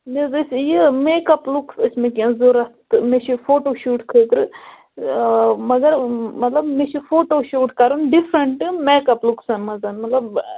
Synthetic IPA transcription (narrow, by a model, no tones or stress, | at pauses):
nezɐsjimeːkɐpluksɐsmẽkiɐ̃zoɾɐst̪mẽt͡ʃʰifoːʈoːʃuːʈkʰeːt̪ɾɨ | mɐɡɐɾmɐt̪lɐbmẽt͡ʃʰufoːʈoːʃuːʈkɐɾunɖifɾɐɳʈɨmeːkɐpluksɐnmɐzɐnmɐt̪lɐb